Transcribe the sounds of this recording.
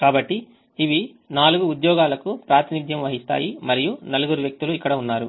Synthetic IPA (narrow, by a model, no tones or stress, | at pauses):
kaːbɐʈːi | iʋi | naːluɡuːd̪jɔːɡaːlɐkupɾaːt̪inid̪ʱjɐmʋɐɦist̪a̰ːjimɐɾijunɐluɡuɾuʋjɐk̚t̪uluikːɐɽɐunːaːɾu